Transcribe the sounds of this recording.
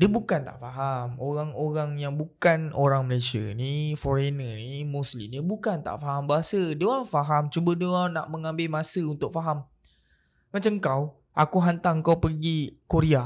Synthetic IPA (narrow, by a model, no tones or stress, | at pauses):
diəbukant̪a̰ʔfaɦamoɾaŋoɾaŋjaŋbukanoɾaŋməlasiə̰nifoɾenənimuslḭmnibukant̪a̰ʔfaɦambaɦasədiəoɾaŋfaɦamt͡ʃubədəana̰ʔmə̃ŋãmbɪlmãsəunt̪ʊk̚faɦam | mat͡ʃaŋkaw | ʔakuɦant̪aŋkawpəɡikuɾia